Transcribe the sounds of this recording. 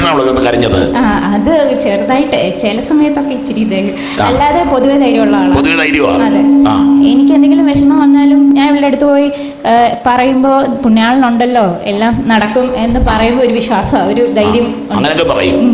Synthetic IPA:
naːuɭɐðenːɨkɐɾiɲːɐðɐðɨ̰aːɐðɨt͡ɕe̞ːrt̪aːjiʈːɨt͡ɕeːlɐsɐmɐjɐt̪ːo̞kːeit͡ɕːiɾikʲːund̪ɐːjj | ɐlːaːðepo̞ðuʋed̪ɐjɾjɐmuɭːɐaːɭoðuʋd̪ɐjɾjɐma̰ːɐðɨenikʲːend̪eŋɡilumʋeɕɐmaʋɐnːaːlumɲaːniʋiɽɭeeɽut̪ːɨpo̞ːji | pɐrɐjumbo̞ːpuɳːijaːɭnuɳɖɐlːo̞ːe̞̰lːaːmnɐɽɐkːume̞nːɨpɐrɐjumbooɾuʋiɕwaːsɐoɾud̪ɐjɾjɐm | uɐŋːɐneokːepɐrɐ̰jṵm

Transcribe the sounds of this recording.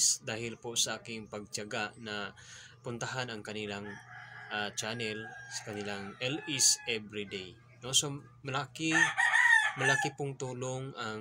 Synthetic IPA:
sd̪aːɦɪlpʊsaʔaːkɪŋpaɡ̚t͡ʃaɡaʔna | pʊnt̪aɦanaŋkɐnilaŋʔat͡ʃanɛlsḁkanilaŋʔɛlisɛbɾid̪ej | noso | mɐlaːki | mɐlaːkipʊŋt̪uːloŋaŋ

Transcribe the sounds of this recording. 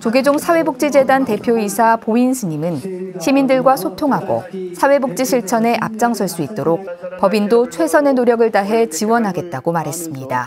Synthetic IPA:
t͡ɕoɡed͡ʑoŋsʰawe̞buk̚t͡ɕ͈id͡ʑe̞dante̞pʰjoisʰapoinsʰɯɲimɯnɕʰimindɯɭɡwasʰotʰoŋɦaɡo̰sʰawe̞buk̚t͡ɕ͈iɕʰiɭt͡ɕʰʌne̞ʔa̰p̚t͡ɕ͈aŋsʰʌɭs͈uit̚t͈oɾok̚pʌbindot͡ɕʰwe̞sʰʌne̞noɾjʌɡɯɭtaɦe̞t͡ɕiwʌnɦaɡe̞t̚t͈aɡomaɾɦe̞s͈ɯmɲida̰

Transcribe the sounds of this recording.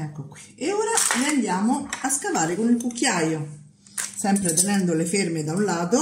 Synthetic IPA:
ɛkːokwieoːɾaleand̪jaːmoaskavaːɾekonilkukːjajo | sɛmpɾet̪enɛnd̪olefermed̪aunlaːt̪o

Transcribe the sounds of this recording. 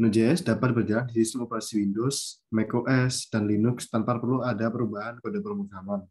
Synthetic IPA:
nud͡ʒeɛsdapat̪̚bərd͡ʒalandisist̪əmopəɾasiwindosmekoʔɛsd̥anlinʊkst̪amparpərluadapəɾubaɦankodapərmuɡaman

